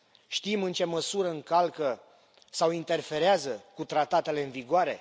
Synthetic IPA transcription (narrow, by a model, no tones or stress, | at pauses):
ʃt̪imɨnt͡ʃe̞məsuɾəɨŋkalkə | sawint̪e̞rfe̞ɾeazəkut̪ɾat̪at̪e̞le̞ɨnviɡoaɾe̞